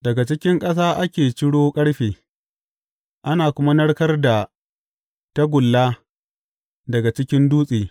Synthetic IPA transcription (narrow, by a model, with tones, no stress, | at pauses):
dɐ˨ɡa˨t͡ʃɪ˦kʲɪ˦ŋkʼɐ˦s̬aː˦ʔa˦kʲeː˨t͡ʃɪ˦ɽoː˦kʼɐ˦ɽɸeː˨ | ʔa˦naː˨kʷʊ˦ma˦nɐ˦ɽkɐ˦rda˨ | ta˦ɡʷʊ˨lːaː˦ | dɐ˨ɡa˨t͡ʃɪ˦kʲɪ˦nduː˦sʼeː˨